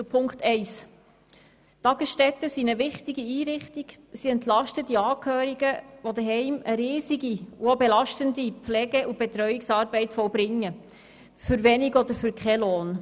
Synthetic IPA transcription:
pʰʊŋkt̪ɛɪs | tɑɡ̥əsʃtɛt̪əsinəʋɪχtiɡiiːɾɪχt̪iɡ̥ | siɛnt̪lɑʃtədiɑːkʰhøːɾiɡəʋod̪əɦɛɪməɾiːziɡiuobelɑʃtəndipflɛɡɛʔub̥ɛt̪ɾœɥɪksɑːɾbɛɪtfɔwbɾɪŋːə | fʏɾʋɛnɪɡɔd̪əɾfyɾkχɛloːn

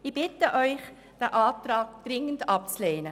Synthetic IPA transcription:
ib̥ɪtəʔɔʏχ | d̥ɛʔaːtraːɡ̚d̥ʁɪŋəndɑp̚t͡sleːnə

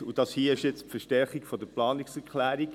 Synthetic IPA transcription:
ud̥ɑshiːəɪʃjɛt͡spfəɾʃtɛɾχikfɔd̥əplɑːniksɛɾklæːɾik

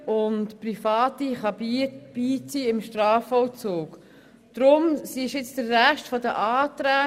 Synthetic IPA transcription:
ʊntpɾifɑːtiχɑbib̥iːt͡siːɪmʃtɾɑːfɔwt͡suːk | d̪̥ɾʊmsiɪʃjɪt͡sd̥əɾːæʃtfɔdəʔɑːt̪ɾæː

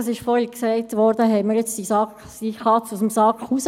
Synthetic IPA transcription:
ɑsɪʃfɔːɾhiksɛɪtʋɔɾdəɦɛɪməɾjɛt͡sdisɑk | siχɑt͡sʊsm̩sɑːkχus

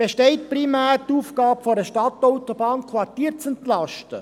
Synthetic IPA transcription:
b̥eʃtɛɪt̚primæːɾtuːfɡ̥ɑːpfoɾəʃtɑtɔʊtobɑːnkʰʋɑɾtiːɾt͡sɛnt̪lɑʃtə

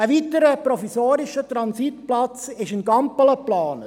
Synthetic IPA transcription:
əʋitəɾəpɾɔfisoːɾɪʃət̪ɾɑnsitplɑt͡sɪʃɪnɡɑmpələplɑːnə

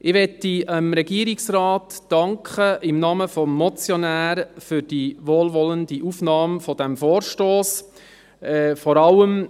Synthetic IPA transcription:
ʔɪʋɛtːiəmɾɛɡiəɾɪksrɑːtːɑŋkχəʔɪmnɑːməfɔmːɔt͡sjɔnæːɾfʏɾd̥iʋoːlʋɔləndiʔufnɑːmfɔd̥æmfoːɾʃtoːs | ɛfɔɾɑləm

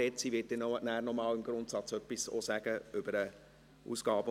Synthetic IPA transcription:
ɛt͡siʋɪːt̚dɪːnonæːrnɔmɑːlɪmɡ̥ɾʊntsɑt͡sœpːiso̰sæɡ̥əʏb̥əɾə | ṵːsɡ̥ɑːbə

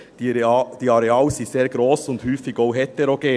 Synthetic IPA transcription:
d̥d̪̥iːɑɾeɑːlsiseːɾɡɾoːsʊnt̪hyːfɪɡoʊɦɛt̪ːəɾoɡ̥eː

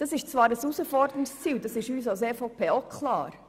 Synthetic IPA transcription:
d̥ɑsɪʃt͡svɑːɾəsusəfɔɾdəɾɪst͡siːld̥ɑsɪʃyːs̬ɑlseːfoʊpʰeːokʰlɑ̰ːɾ

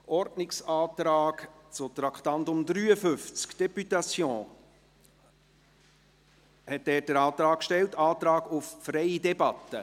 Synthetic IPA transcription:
ʔɔɾdnɪksɑːt̪ɾɑːkt͡sʊt̪ɾɑkχt̪ɑnt̪ʊmd̪ɾyːəfʏft͡skd̥ɛpyt̪ɑsjɔ̃ː | hɛt̚dɛːd̥əɾɑːt̪ɾɑːkkʃtɛltɑːt̪ɾɑːɡʊffɾɛɪidɛbɑt̪ːə

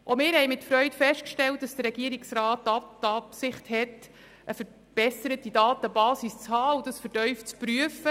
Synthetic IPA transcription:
ʔomɪːɾhɛɪmɪtfɾœʏtfɛʃt̚kʃtɛlt̚d̥ɑsd̥əɾɛɡ̥iəɾiksɾaːtːɑtɑpsɪχthɛt | ʔəfəɾ | b̥ɛsəɾətidɑːtəbɑːsist͡shɑːudɑsfəɾtœʏft͡spɾyəfə

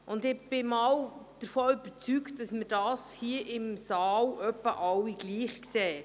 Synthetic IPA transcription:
ʔʊndɪb̥ɪmɑːwd̥əɾfɔːʏb̥ət͡sykt̚dɑsməɾdɑːshiəʔɪmsɑːlʔœpːəʔɑwːiɡ̥liːχksɛː

